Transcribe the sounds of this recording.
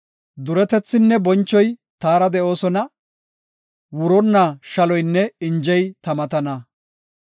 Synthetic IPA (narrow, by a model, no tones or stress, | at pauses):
d̪ʊɾɛt̪ɛt͡sːɪnːɛbɔnt͡ʃːɔjt̪aːɾɐd̪ɛʔo̞ːsɔnɐ | wʊɾɔnːaʃɐlɔjnːɛɪnd͡ʒɛjt̪ɐmɐt̪ɐnɐ